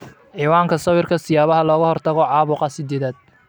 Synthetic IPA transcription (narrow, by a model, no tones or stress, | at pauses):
ʕiːwaːŋkʰɐsɐwɪrkʰɐsɪjaːβɐɦɐlɔːɣɐhɔrt̪ʰɐɣɔʕɑːβʊqɑsɪd̪eːðaːd̪̥̚